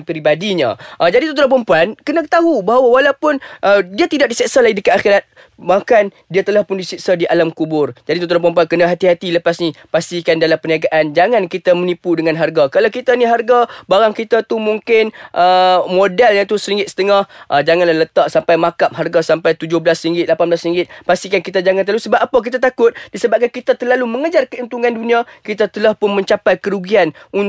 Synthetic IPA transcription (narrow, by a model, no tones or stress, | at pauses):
pəɾibadiɲã̰ʔəd͡ʒadit̪ut̪uɾapəmpuankənakət̪aɦubaɦawawalawpʊnʔədiat̪idaʔ̚disiʔsalaɡidəkat̪axiɾat̪̚ | makan | diat̪əlahpʊndisiʔsadiʔalamkubʊrd͡ʒadit̪ut̪uɾapəmpuankənaɦat̪iɦat̪iləpasnipast̪ikandalampəniaɡaʔand͡ʒaŋankit̪amənipudəŋãnɦarɡakalawkit̪aniɦarɡabaɾaŋkit̪at̪umuŋkɪnʔəmodɛljaŋt̪usəɾiŋɡɪt̪sə̥t̪əŋahʔəd͡ʒaŋanlahlət̪aʔsampajmakap̚ɦarɡasampajt̪ud͡ʒʊhblasɾiŋɡɪt̪̚lapanbəlasɾiŋɡɪt̪̚past̪ikankit̪̬ad͡ʒaŋanəɾlalusəbap̚apak̬it̪̬at̪akʊt̪̚disəbap̚kankit̪at̪ərlaluməŋəd͡ʒarkəənt̪uŋãndunĩakit̪at̪əlahpʊnmə̃ɲt͡ʃapajkəɾuɡianun